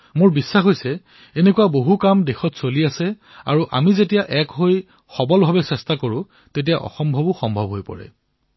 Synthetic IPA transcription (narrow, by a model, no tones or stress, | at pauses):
mʊɹbisːaxojsɛ | enekuwaboɦukamdexɔtsoliasɛ | a̰ɹuʔa̰mizetijaʔɛkɦoj | xɔbɔlbʱabɛsɛstakoɹʊ̃ | tet̬ijaʔɔ̰xɔmbʱɔbʊxɔmbʱɔbɦojpɔ̰ɹɛ̰